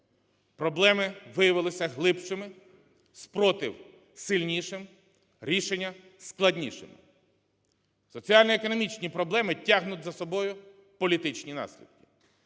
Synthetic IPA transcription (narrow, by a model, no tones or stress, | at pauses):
pɾɔblˠɛmɪʋɪjɐʋɪlˠɪsʲɐɦlˠɪpt͡ʃɪmɪ | spɾɔt̪ɪ̰w | sɪlʲnʲiʃɪm | ɾʲiʃenʲːɐ | sklˠɐdʲnʲiʃɪ̰mɪ | sɔt͡sʲiɑlʲnɔekɔnɔmʲit͡ʃnʲipɾɔblˠɛmɪtʲːaɦnʊtʲzɐsɔbɔjʊ | pɔlʲit̪ɪt͡ʃnʲinɑ̰sʲlʲḭd̪̚kʲɪ̥